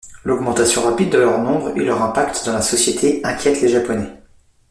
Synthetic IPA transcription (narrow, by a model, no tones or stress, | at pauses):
lɔɡmɑ̃t̪asjɔ̃ʁapid̪ːəlœʁnɔ̃bʁḛlœʁɛ̃pak̚t̪d̪ɑ̃lasɔsjet̪ʰeɛ̃kʲjɛt̪leʒapɔnɛ